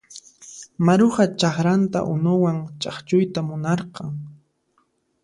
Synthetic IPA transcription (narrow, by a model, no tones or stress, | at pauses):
maɾʊχat͡ʃaχɾant̪a̰ʔʊnʊwaŋt͡ʃɑχt͡ʃʊjt̪amʊnɑɾqɑŋ